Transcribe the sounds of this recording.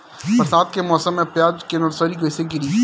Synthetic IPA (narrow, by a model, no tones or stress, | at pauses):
pɐɾsaːt̪̚kemɔːsəmːẽpjaːd͡ʒkenəɾsɔːɾiɡoɪseɡɪɾiː